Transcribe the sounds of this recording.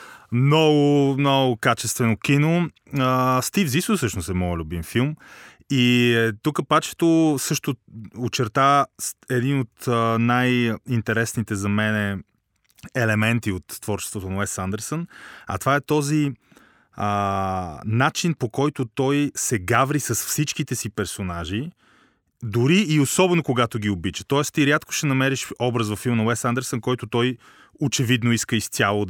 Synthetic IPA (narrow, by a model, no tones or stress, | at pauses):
mnɔɡʊmnɔɡʊkat͡ʃɛst̪vɛnokino | əst̪ivzisəsɤʃnʊsɛmɔɛlʲubimfilˠm | it̪ukəpat͡ʃɛ̥t̪osɤʃt̪ʊot͡ʃɛɾt̪aɛd̪inot̪najint̪ɛɾɛsnit̪ɛzɐmɛnɛ | ɛlɛmɛnt̪iot̪ːvɔɾt͡ʃɛ̥st̪vot̪onɐɛsand̪ɛɾsənɐ̰t̪vaɛt̪ɔzi | ə | nat͡ʃinpokɔjt̪ʊt̪ɔjsɛɡavɾisɐsfsit͡ʃk̟it̪ɛsipɛɾsonaʒi | d̪ʊɾiːosɔbɛnokoɡat̪oɡ̟ʲiobit͡ʃə̥t̪ɔɛst̪iɾʲjat̪kʊ̥ʃɛnɐmɛɾiʃɔbɾəzvɐfilˠmnɐwɛst̪and̪ɛɾsənkɔjt̪ʊt̪ɔj | ot͡ʃɛvid̪noiskəist̪ʲjalˠo